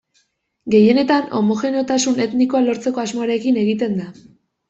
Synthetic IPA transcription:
ɡe̞je̞ne̞t̪ano̞̰mo̞xe̞neot̪asune̞t̪niko̞alo̞ɾt͡se̞ko̞azmo̞aɾe̞kine̞ɣit̪e̞nd̪a

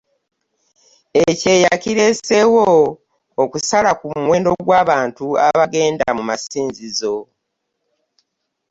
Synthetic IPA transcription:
ece̞ːjakiɾe̞se̞wo | okusalakumwe̞ːndo̞ɡwaːβaːntua̰βaɡe̞ːnda̰mumasiːnzizo̞

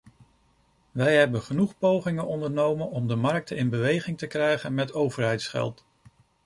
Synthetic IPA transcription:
ʋɛjɦɛbənχənuχpowχɪŋənɔndəɹnowmənɔmdəmɑɹk̚tʰəɪnbəʋejχɪŋtəkrɛjχənmɛtowvəɹɦɛjtsχɛ̰lˠt

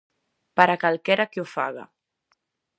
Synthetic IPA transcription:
paɾakalˠkɛɾakeufaɣa̰

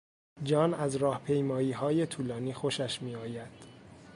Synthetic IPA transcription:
d͡ʒɒːnæzɾɒːhpʰe̞jmɒːiːɦɒːje̞t̪ʰuːlɒːniːxoʃæʃmiːɒːjæd̪̥

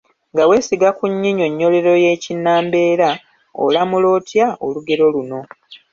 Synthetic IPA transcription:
ŋɡawe̞ːsiɡakuɲːiɲo̞ɲːo̞le̞ɾo̞je̞ːcinːaːmbe̞ːɾa | o̰lamulo̞ːtjaoluɡe̞ɾo̞luno̞

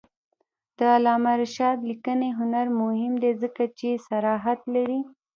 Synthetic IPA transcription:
d̪̥əalɑmaɾʃɑd̪likəneɦʊnaɾmʊhɪmd̪ezəkat͡ʃesaɾɑɦat̪laɾi

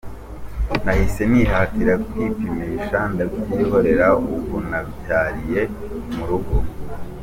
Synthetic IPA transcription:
nahise̞niːɦaːtiɾakwiːpimiʃandabɟiːɦo̞ɾe̞ɾauβunaβicaːɾije̞ | muɾuɡo

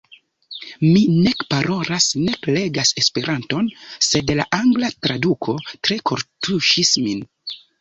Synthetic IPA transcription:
mine̞kpaɾo̞ɾasne̞kle̞ɡase̞spe̞ɾʔanto̞nse̞dla̰ʔaŋɡlatɾadukʰo̞tɾe̞kʰo̞ɾtʰuʃismin

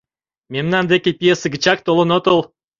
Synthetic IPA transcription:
mʲemnɑnd̪ekʲepʲijeseɡə̆t͡ɕɑk̚t̪olɤ̆not̪ol

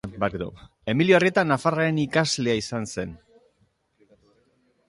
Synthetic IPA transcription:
baɾd̪o̰ | e̞miljoarie̞t̪anːafaraenikazle̞aisanse̞n

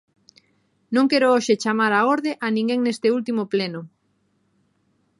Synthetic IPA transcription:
nõŋkeɾooʃet͡ʃamaɾaoɾðeʔanĩŋɡeŋnest̪eult̪imopleno

